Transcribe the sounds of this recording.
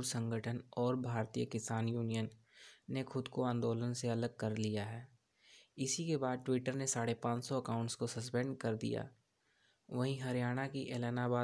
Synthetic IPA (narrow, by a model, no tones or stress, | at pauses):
uɾsə̃ŋɡəʈʰənɔːɾbʱaːɾt̪ijəkɪsaːnjuːnijənː | exʰʊd̪koãːnd̪oːlənseɐləɡ̚kɐɾlijaɦɛː | ɪsikebaːd̪̚ʈʋɪʈəɾnesaːɽepãːt͡ʃsɔɐkaːʊ̃ɳʈskosɐspɛ̃ɳɖkɐɾd̪ḭja̰ː | ʋɐɦĩɦɐɾijaːɽ̃akiʔeːlɛːnabaː